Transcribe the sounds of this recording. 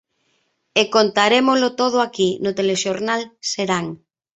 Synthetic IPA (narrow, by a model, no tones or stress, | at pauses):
ekont̪aɾemozlot̪oð̞ʊakinʊt̪eleʃoɾnalseɾaŋ